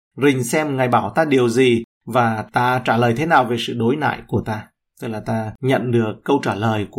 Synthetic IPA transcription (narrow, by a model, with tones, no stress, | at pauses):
zï˨˩ŋ̟sɛ˧mŋa˨˩jɓaː˧˩wt̪aː˧ɗi˨˩əwzi˨˩ | vaː˨˩t̪aː˧t͡ɕaː˧˩ləː˨˩jt̪ʰe˨˦naː˨˩wve˨˩sɨ̰˧˨ɗo˨˦jna̰ː˧˨jku˧˩ət̪aː˧ | t̪ɨ˦˥k̚laː˨˩t̪aː˧ɲə̰˧˨nɗɨ˨˩əkkːə˧wt͡ɕaː˧˩ləː˨˩jk